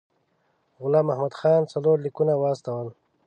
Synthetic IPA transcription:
ɣʊlaːmahmad̪xɑːnt͡saloːɾlikunawaːst̪awəl

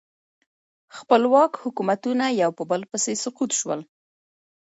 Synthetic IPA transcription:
xpəlwɑkhʊkumat̪unajawpəbəlpəsesʊqut̪ʃwə̰l

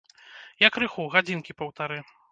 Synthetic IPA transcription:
jɐkɾɨxuɣad͡zʲinkʲipɐwt̪aɾɨ

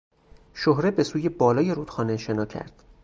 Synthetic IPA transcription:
ʃohɾe̞be̞suːje̞bɒːlɒːje̞ɾuːd̪̥xɒːneʃe̞nɒːcʰæ̰ɾd̪̥

